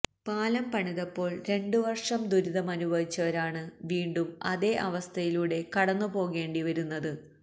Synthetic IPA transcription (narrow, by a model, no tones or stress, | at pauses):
paːlɐmpɐɳiðɐpːo̞ːɭɾe̞ɳɖɨʋɐrʂɐmd̪uɾuðɐmɐnubɐʋit͡ɕːɐʋɐɾaːɳɨʋiːɳɖumɐðe̞ʔɐʋɐst̪ʰɐjiluːɽe̞kɐɽɐnːupo̞ːɣe̞ːɳɖiʋɐɾunːɐðɨ